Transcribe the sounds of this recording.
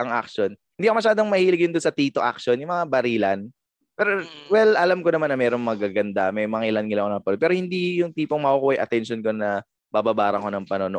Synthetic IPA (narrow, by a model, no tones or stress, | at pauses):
ʔɐŋʔa̰k̚ʃonhɪnd̪ikomɐʃaːd̪oŋmɐhiːlɪɡjʊnd̪onsɐt̪iːt̪oʔa̰k̚ʃonjʊŋmɐŋabɐɾiːlɐn | pɛːɾowɛlɐlamkoɐmanːɐmɛːɾo̞ŋmɐɡaɡɐnd̪amɐjmɐŋilɐnŋɪlɐŋkonɐpɐnopɛːɾohɪnd̪ijʊŋt̪iːpoŋmɐʔukuːhɐjʔɐ̰t̪ɛnʃonko̞nɐ | baːbabaːɾɐŋkonɐŋpɐnonoʔ